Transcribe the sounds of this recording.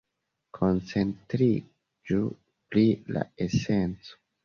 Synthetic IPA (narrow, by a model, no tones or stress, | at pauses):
kʰo̞nt͡se̞ntɾi | d͡ʒu | plila̰e̞se̞nt͡so̥